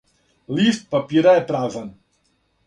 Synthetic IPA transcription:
list̪̚papiɾaɛpɾaːzan

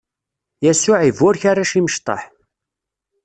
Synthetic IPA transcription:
jæsʊʕivʊɾçaraʃiməʃt̪ˤɑ̰ħ

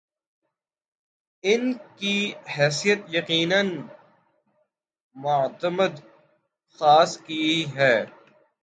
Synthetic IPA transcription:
ɪnkiɦɛːsijət̪jɐqiːnən | mʊt̪əməd̪ | xaːskiiɦɛː

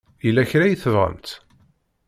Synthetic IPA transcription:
jilːæçɾæjiθəvʁə̰mt̪

